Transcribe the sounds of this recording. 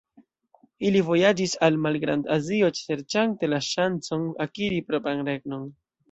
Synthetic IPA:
ilivo̞jad͡ʒisalmalɡɾandazio̞t͡ʃe̞ɾt͡ʃante̞laʃant͡so̞nakiɾipɾo̞pɾanɾe̞ɡno̞n

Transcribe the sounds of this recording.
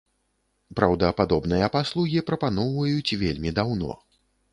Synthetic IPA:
pɾɐwd̪ɐpad̪ɔbnɨjɐpaslˠuɣʲipɾɐpanɔwvɐjut͡sʲvʲelʲmʲid̪awnɔ̰

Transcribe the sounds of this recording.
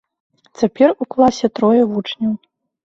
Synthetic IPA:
t͡sʲapʲɛruklˠasʲɛt̪ɾɔjɐvut͡ʂnʲɐw

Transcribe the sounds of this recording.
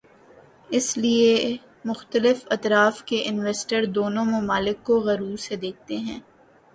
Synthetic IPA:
ɪslie | mʊxt̪əlɪfɐt̪ɾaːfkeʔɪnʋɛːsʈəɾd̪oːnõmʊmaːlɪkːoɣɐɾuːɾsed̪eːk̚ʰt̪eɦɛ̃ː

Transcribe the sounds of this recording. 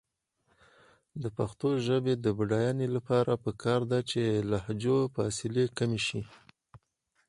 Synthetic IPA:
d̪əpaxt̪oʒəbed̪əbɖɑjɑnelapɑɾapəkɑɾd̪at͡ʃelahd͡ʒofɑsɪlekameʃi

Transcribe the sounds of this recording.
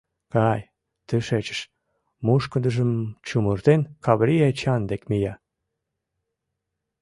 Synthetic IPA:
kɑj | t̪ɨʃet͡ɕə̥ʃ | muʃkəd̪əʒəmt͡ɕumurt̪enkɑβɾiet͡ɕɑnd̪ekmijɑ

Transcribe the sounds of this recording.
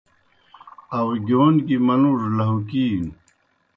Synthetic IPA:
ɐwɡoːnkimɐnuʐlɐɦukiːn

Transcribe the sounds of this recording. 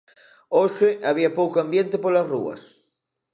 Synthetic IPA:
oseaβiɐpowkoambjẽnt̪epolɐsrṵɐ̰s

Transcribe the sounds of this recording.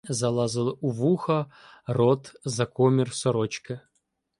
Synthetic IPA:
zɐlˠazɨlˠuvuxɐrɔt̪zɐkɔmʲɪrsɔɾɔt͡ɕkə

